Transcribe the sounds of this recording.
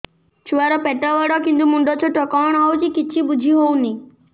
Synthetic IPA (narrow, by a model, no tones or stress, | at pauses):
t͡ʃʰuaɾɔpɛʈɔʋɔɽɔkint̪̬umuɳɖɔt͡ʃʰɔʈɔkɔwɳawt͡ʃikit͡ʃʰibud͡ʒʱiɦowni